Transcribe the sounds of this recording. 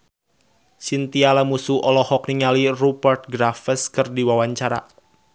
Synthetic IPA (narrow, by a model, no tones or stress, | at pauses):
sint̪ialamusuʔɔlɔhɔkniŋalirupərt̪̚ɡɾafəskɨrdiwawaɲt͡ʃaɾa̰